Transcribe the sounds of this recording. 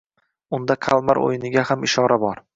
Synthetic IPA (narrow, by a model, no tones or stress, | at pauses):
ʊnd̪akʰalˠmaɾʔo̰jɪnɪɡʲahamɪʃɒɾabɒɾ